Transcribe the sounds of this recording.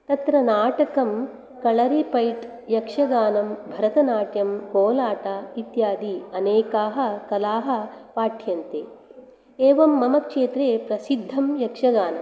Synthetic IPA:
t̪ɐt̪ɾɐnaːʈɐkɐm | kɐɭɐɾipɐjʈ | jɐkʂɐɡaːnɐmbʱɐɾɐt̪ɐnaːʈjɐmkoːlaːʈait̪jaːd̪iɐneːkaːɦɐ̆kɐlaːɦɐ̆paːʈʰjɐnt̪eː | eːʋɐmːɐmɐkʂeːt̪ɾeːpɾɐsid̪ʱːɐmjɐkʂɐɡaːnɐ̰m

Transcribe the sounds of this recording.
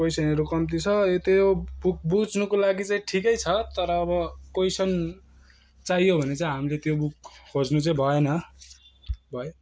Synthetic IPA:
pojsʌneɾukʌmt̪it͡sʰʌot̪ebuk̚bud͡znukolaɡit͡saĩʈʰikʌjt͡sʰʌt̪ʌɾʌːβʌkojsʌn | t͡saɦijobʱʌnet͡saĩɦamilet̪jobukːʰod͡znut͡saĩbʱʌenʌ | bʱʌe

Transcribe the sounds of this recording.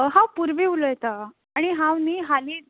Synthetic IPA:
ɦãwpuɾʋiulojɛt̪aː | ɽ̃iɦãwniɦali

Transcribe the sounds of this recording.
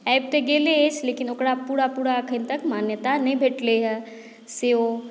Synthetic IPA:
ɛːb̚t̪eɡeːlet͡ʃleːkɪnokɽapuːɽapuːɽakʰənt̪ɐkmaːnjət̪añbʱeːʈleɦɛ | seo

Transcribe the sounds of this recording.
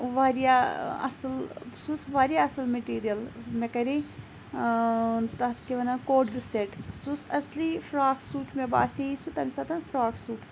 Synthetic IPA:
ʋaːɾijaɐ̰slsusʋaːɾijaɐsɐlmeʈiːɾijɐlmekɐɾi | t̪ɐt̪kiʋɐnɐkoːɖɾuseʈsusɐslifɾaːksuːʈmeba̰ːseisut̪ɐmisɐt̪ɐnfɾaːksuːʈ

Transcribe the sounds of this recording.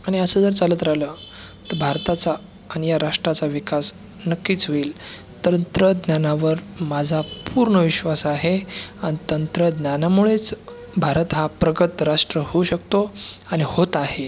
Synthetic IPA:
aɽ̃iəsəːd͡zəɾt͡salət̪ɾaɦləːt̪əɾbʱaɾt̪at͡saː | ñijaɾaʂʈɾat͡saʋikas | nəkːiːt͡sɦoiːl | t̪ənt̪ɾəd̪njanaʋəɾmad͡zʱapuɾɳəʋiɕʋasaɦeanit̪ənt̪ɾəd̪njanamuɭet͡s | bʱaɾət̪ɦapɾəɡət̪ɾaʂʈɾəhouɕək̚t̪oaɽ̃ihot̪aɦe

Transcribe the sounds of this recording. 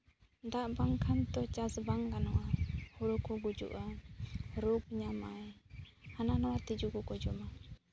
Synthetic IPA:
d̪aʔbaŋkʰant̪ɔt͡ʃasbaŋɡanɔwahuɾukɔɡud͡ʒṵʔa | ɾuɡ̚ɲamajhananɔwat̪id͡ʒuɡɔkɔd͡ʒɔma

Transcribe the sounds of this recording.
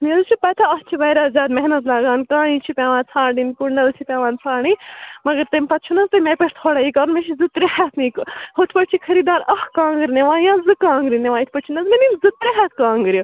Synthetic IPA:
nezɨt͡ʃʰupɐt̪ʰaɐht͡ʃʰiʋɐːɾaːzʲaːd̪mɛɦnɐt̪laːɡaːnkãːit͡ʃʰipʲaːʋãːnt͡sʰãːɖinkuɳɖɐlt͡ʃʰipʲaːʋãːnt͡sʰaːɳimɐɡɐɾt̪ɐmʲpɐt̪t͡ʃʰunɐst̪ɐmeːpʲeʈt̪ʰoːɽaːiːkɐɾnmẽʃʰizɨt̪ɾihɛt̪ʰnĩːkɦot̪ʰpɐʈ̚t͡ʃʰikʰɐɾiːd̪aːɾɐhkãːŋɡɨɾineʋãːjãːzɨkãːŋɡɾineʋaːit̪ʰʲpɐʈt͡ʃʰinɐzmeninzɨt̪ɾeɦɛt̪̚ʰkãːŋɡɨɾʲju

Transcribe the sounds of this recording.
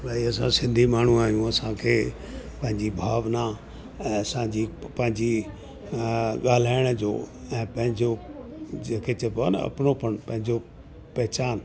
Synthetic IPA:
laːiɐsãsɪ̃nd̪ʱimaːɳ̤ũaːɦijũɐsãkʰeː | pɐ̃ɦɪ̃ɲd͡ʑibʱaːʋna | ɛ̃ːɐsãd͡ʑipɐ̃ɦɪ̃ɲd͡ʑi | ɠaːl̤aːɪɽ̃əd͡ʑo̰ːɛ̃ːpɐ̃ɦɪ̃ɲd͡ʑod͡ʑeːkʰet͡ɕepon̰ɐ̰pɪnopɐɽ̃pɐ̃ɦɪ̃ɲd͡ʑo | pɐɦɪt͡ɕaːn

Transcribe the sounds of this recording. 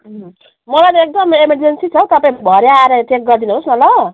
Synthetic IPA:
ɦ | mʌlajnek̚d̪ʌmemerd͡zensit͡sʰʌt̪ʌpaĩbʱʌɾeaɾʌt̪ʰek̚ɡʌrd̪inuɦosmʌla

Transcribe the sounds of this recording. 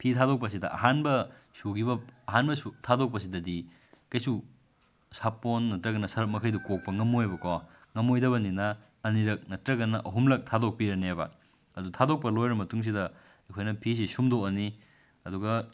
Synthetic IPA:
pʰitʰadok̚pɐs̬idɐʔɐ̰ɦanbɐ | suɡibɐɐɦanbɐsutʰadok̚pɐs̬idɐdi | kɐjsu | sapːonːɐtɾɐɡɐnːɐsɐɾɐk̚mɐkʰɐjdukok̚pɐŋɐmojbɐko | ŋɐmojdɐbɐninɐ | ɐniɾɐk̚nɐtɾɐɡɐnɐʔɐɦumlɐk̚tʰadok̚piɾɐneba̰ | ɐdutʰadok̚pɐlojɾɐmɐtuŋs̬idɐ | ɐkʰojnɐpʰis̬isumdoɐni | ɐduɡɐ

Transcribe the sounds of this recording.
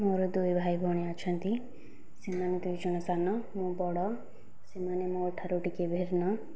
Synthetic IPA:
moɾɔd̪ujbʱajbʱɔɽ̃iat͡ʃʰɔnt̪i | semaned̪uit͡ʃɔɽ̃ɔsanɔmũbɔɽɔ | semanemõːʈʰaɾoʈikebʱeɾnɔ

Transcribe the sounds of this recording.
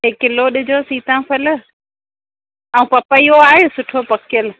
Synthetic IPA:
ekɪloɗɪd͡ʑosiːt̪ʰãpʰɐl̆ | ɐ̃ũpɐpəijoaːɦesʊʈʰopɐkɪjəl

